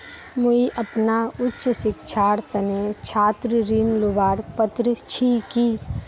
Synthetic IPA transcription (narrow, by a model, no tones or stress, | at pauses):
muiʔɐpnaʊtːʃsɪk̚t͡ʃʰaːɾt̪ɐnet͡ʃʰaːt̪ɾəɾiːnlobaːɾpət̪ɾət͡ʃʰiːkiː